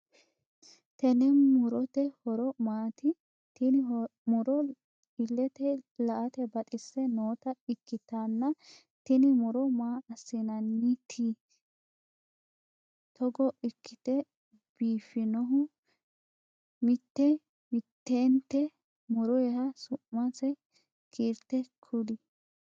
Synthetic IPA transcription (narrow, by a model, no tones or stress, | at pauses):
t̪ɛnɛnmʊɾɔt̪ɛhɔɾɔmaːt̪ɪ | t̪ɪnɪmʊɾɔ | ɪlːɛt̪ɛlɐʔɐt̪ɛbɐt̪ʼɪsːɛnoːt̪ɐɪkːɪt̪aːnːɐ | t̪ɪnɪmʊɾɔmaːɐsːɪnɐnːɪt̪ʰiː | t̪ɔɡɔʔɪkːɪt̪ɛ | b̥iːfɪnɔɦʊ | mɪt̪ːɛ | mɪt̪ːeːnt̪ːɛ | mʊɾɔjɛhɐsʊʔmɐsɛ | kʰiːɾt̪ːɛkʰʊd̪ɪ